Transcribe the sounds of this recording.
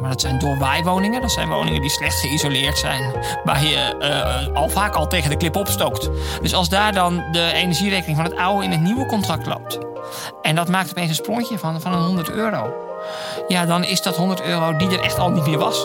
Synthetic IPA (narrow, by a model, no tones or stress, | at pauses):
madɔtsɛjndoːʋɛjʋownɪŋədɔtsɛjnʋo̰wnɪ̰ŋədislɛxtsxəizolɪːɹtsɛ̰jn | ʋaːjə | ɔlˠfaːkɔlˠteːɣəndəklɪpəɔpstowktd̥øsɑlˠzdaːɹdɔndəenəɹʒireːkənɪŋfɔnətawəɪnətniwəkɔntrak̚tlo̰p̚t | ɛndɔtmaːk̚topeːns̬ənsproŋkjəfnfɔnənhondərtøːɾow | jadɔnɪsdɔtɦondərtøːrodidəɾʔɛxtɔlˠnitmɪːɹʋɑs